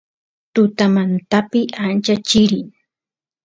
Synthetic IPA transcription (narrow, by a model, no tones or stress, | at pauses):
t̪ʊt̪amant̪apɪant͡ʃat͡ʃɪɾɪŋ